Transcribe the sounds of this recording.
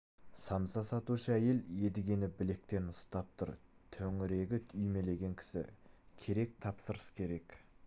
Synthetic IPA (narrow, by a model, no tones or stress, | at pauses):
sɑmsɑsɑt̪uʃəæje̞le̞d̪ɪɡʲe̞nɪbɪle̞k̚t̪e̞nʊst̪ɑp̚t̪ʰʊ̰ɾt̪ʰɵŋɪɾe̞ɡʲɪʏjme̞le̞ɡʲe̞ŋkʲʰɪ̥sɪ̰kʲʰe̞ɾe̞k̚t̪ʰɑpsəɾəskʲʰe̞ɾe̞k